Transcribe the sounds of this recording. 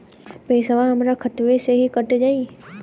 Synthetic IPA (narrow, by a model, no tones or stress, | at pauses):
peisəʋãɦɐmɾakʰɐt̪ʋeseɦikɐʈd͡ʒaːi